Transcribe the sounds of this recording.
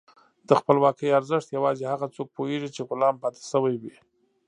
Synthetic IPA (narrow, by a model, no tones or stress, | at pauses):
d̪̥əxpəlwɑkəjaɾzəʂt̪jawɑzehaɣat͡sok̚poeʐit͡ʃeɣʊlɑmpɑt̪e̥səwajwi